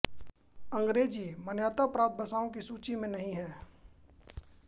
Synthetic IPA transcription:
ɐ̃ŋɡɾeːd͡ʒimɐnjaːt̪apɾaːpt̪̚bɐsaːõkisuːt͡ʃimẽnɐɦĩɦɛ̃ː

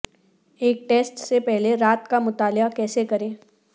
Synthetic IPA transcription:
eːk̚ʈeːsʈsepɛɦleɾaːt̪kamʊt̪aːlakɛːsekɐɾẽː

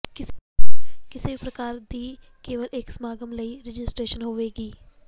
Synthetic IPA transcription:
kɪ | kɪsibʱipɾɐkaːɾd̪iː | keːʋəlʔeːksmaːɡəmləiɾɪd͡ʒɪsʈɾeːʃənɦoːʋeːɡiː

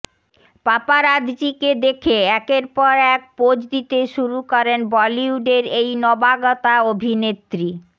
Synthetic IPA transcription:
papaɾad̪d͡ʑiked̪ekʰeɛkeɾpɔɾɛk̚pod͡ʑd̪it̪eʃuɾukɔɾenbɔliuɖeɾejnɔbaɡɔt̪aobʱinet̪ːɾi

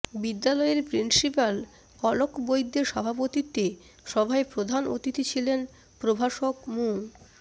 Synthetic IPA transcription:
bid̪ːalɔeeɾpɾinsipal | kɔlokbojd̪ːeɾʃɔbʱapot̪it̪ːe | ʃɔbʱaepɾod̪ʱanʔo̰t̪it̪it͡ɕʰilen | pɾobʱaʃokmuŋ

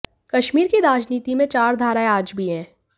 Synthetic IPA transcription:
kɐʃmiːɾkiɾaːd͡ʒniːt̪imẽt͡ʃaːɾd̪ʱaːɾaːeaːd͡ʒbʱiɦɛ̃ː

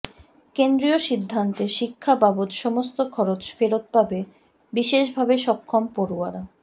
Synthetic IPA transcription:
kend̪ɾioʃid̪ʱːant̪eʃikʰːababot̪ʃɔmost̪okʰɔɾot͡ɕfeɾot̪̚pabe | biʃeʃbʱabeʃɔkʰːompoɾuaɾa

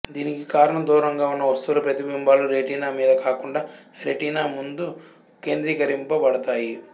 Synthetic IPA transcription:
d̪iːnikikaːɾɐɳɐmd̪uːɾɐŋɡaːunːɐʋɐst̪uːlɐpɾɐt̪ibimbaːluɾeʈiːnaːmiːd̪ɐkaːkuɳɖaːɾeʈiːnaːmund̪u | ke̞ːnd̪ɾiːkɐɾimpɐbɐɽɐt̪aːji

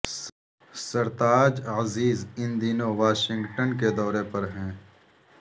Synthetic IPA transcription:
sɐɾt̪aːd͡ʒaziːzɪ̃nd̪iːnoʋaːʃɪ̃ŋɡʈənked̪ɔːɾepɐɾɦɛ̃ː

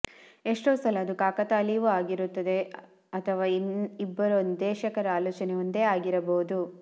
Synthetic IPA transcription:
e̞ʂʈoːsɐlɐːd̪ukaːkɐt̪aːlijʋuaːɡiɾut̪ːɐd̪e̞ | ɐt̪ʰɐʋaːibːɐɾond̪d̪ɛːʃɐkɐɾɐaːloːt͡ʃɐnejund̪e̞ːaːɡiɾɐboːud̪u

